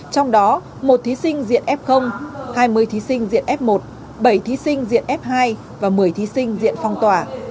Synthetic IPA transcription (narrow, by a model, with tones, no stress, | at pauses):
t͡ɕɔ˧wŋ͡mɗɔ˨˦ | mo˨˩t̚t̪ʰi˨˦sï˧ŋ̟zḭ˧˨ənʔɛ˦˥p̚xə˧wŋ͡mhaː˧jmɨ˧əjt̪ʰi˨˦sï˧ŋ̟zḭ˧˨ənʔɛ˦˥p̚mo˨˩t̚ | ɓə˧˩jt̪ʰi˨˦sï˧ŋ̟zḭ˧˨ənʔɛ˦˥p̚ɦaː˧j | vaː˨˩mɨ˨˩əjt̪ʰi˨˦sï˧ŋ̟zḭ˧˨ənfɔ˧wŋ͡mt̪waː˧˩